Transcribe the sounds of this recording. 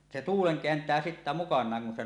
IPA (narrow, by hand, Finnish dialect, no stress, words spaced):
se tuːleŋ keæntˑæː sitːæ mukɑnˑɑːŋ kun se